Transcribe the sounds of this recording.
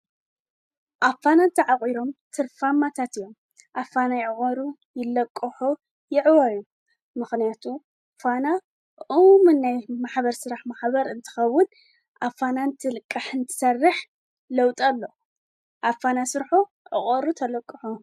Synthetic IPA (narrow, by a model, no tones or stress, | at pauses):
ʔafanant̪ʰɐʕakʼiɾo̞mt̪ʰɨɾfamat̪ʰat̪ɨjːo̞m | ʔafanajʕɨχʼɐɾu | jɪlːɐkʼːɨħu | jɪʕwɐju | mɨxnijat̪ʰu | fana | ʔumɨnːajmaħbɐɾsɨɾaħmaħbɐɾɨnt̪ʰɨ̥xɐwːʊn | ʔafanant̪ʰɨlɨkʼːaħɨnt̪ʰɨ̥sɐrːɨħ | lɐwt̪ʼɐlːo̞ | ʔafanasɨɾħu | ʕɨχʼɐɾut̪ʰɐlɐkʼːɨħu